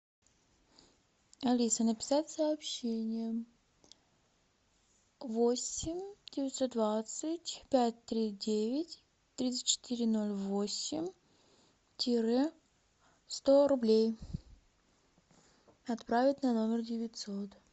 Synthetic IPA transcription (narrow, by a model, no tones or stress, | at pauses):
ɐlʲisənəpʲɪ̥satʲsɐːpɕenʲɪjə | vosʲɪmʲdʲɪvɪt̪so̞t̪̚d̪vat̪sətʲpʲæt̚ʲt̪ɾʲidʲevʲɪtʲ | t̪ɾʲit̪sɨ̥tʲt͡ɕɪ̥t̪iɾʲɪno̞lʲvosʲɪmʲ | tʲɪɾɛ | st̪o̞ɾʊblʲej | ɐt̪pɾavʲɪt̪ʲnɐno̞mʲɪrdʲɪvʲɪtʲso̞t̪